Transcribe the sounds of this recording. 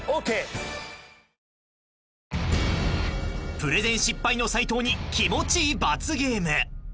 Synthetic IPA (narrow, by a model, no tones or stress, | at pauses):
oke | pɯ̟ɾe̞zẽɰ̃ɕipːaino̞sait̪o̞ːɲ̟ikʲimo̞t͡ɕiːbat͡sɨɡe̞ːmɯ